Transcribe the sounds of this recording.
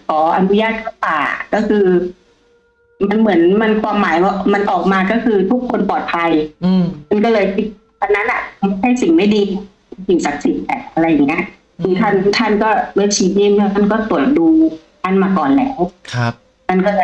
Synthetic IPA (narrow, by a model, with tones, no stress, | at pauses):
kʰɔː˩˦ʔa˧nu˦˥jaː˥˩t̪̚kʰa˥˩pa̰ː˨˩kɔː˥˩kʰɯː˧ | ma˧nmɯ˩˦ənma˧nkʰwaː˧mːaː˨˩˦jkɔ˧˩ma˧nʔɔː˨˩k̚maː˧kɔː˥˩kʰɯː˧t̪ʰu˦˥kʰːo˧npɔː˨˩t̪̚pʰa˧jma˧nkɔː˥˩lɤː˧jki˧˩t̪̚ | kʰa˧nːa˦˥nʔa˨˧ma˦˥˩hʰa˥˩jsi˨˩ŋma˥˩jdiː˧˥˩ | a˧˩i˨˩sa˨˦k̚si˨˩˦t̪̚lɛ˨˩ʔa˧ɾa˧jːa˨˩ŋːi˦˥ɐ˥˨ʔ | ɯ˨˦t̪ʰa˥˩˨nt̪ʰa˦˥˩nkɔː˥˩wɯ˦˧˥t̪ʰiː˧˩niː˥˩mɯ˥˩mʰa˧˥˩nkɔː˥˩t̪u˨˩ə˩t̪̚duː˧ | ʔa˧˥˩nmaː˧kɔː˨˩nlɛː˦˥wkʰa˦ | ma˧nkɔː˥˩lː